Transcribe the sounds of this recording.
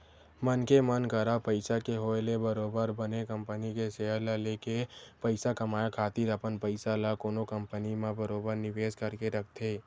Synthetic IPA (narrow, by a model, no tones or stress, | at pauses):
mənkemənkəɾapəɪsakeɦoːelebəɾoːbəɾbənekə̃mpənikeseːəlalekepəɪsakəmaːjakʰaːt̪iɾəpənpəɪsalakoːnokəmpənimẽbəɾoːbəɾnɪʋeːskəɾkeɾɐk̚ʰt̪ʰeː